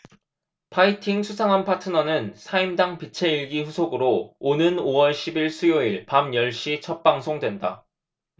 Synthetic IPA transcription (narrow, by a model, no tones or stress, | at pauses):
pʰaitʰiŋsʰusʰaŋɦanpʰatʰɯnʌnɯnsʰaimdaŋpit͡ɕʰe̞iɭɡiɸusʰoɡɯɾoonɯnowʌɭɕʰibiɭsʰujoiɭpamjʌɭɕ͈it͡ɕʰʌt̚p͈aŋsʰoŋdwe̞nda